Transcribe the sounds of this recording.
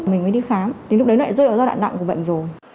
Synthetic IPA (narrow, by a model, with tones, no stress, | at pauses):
mi̟˨˩məː˨˦jɗi˧xaː˨˦m˨˦ŋlʊ˥k͡p̚ɗə˨˦nɔ˨˧˨a̰˧˩˦zɔ˧ɗa̰ː˧˨na̰˧˨ŋku˧˩ɓə̰˧˨ŋzo˨˩j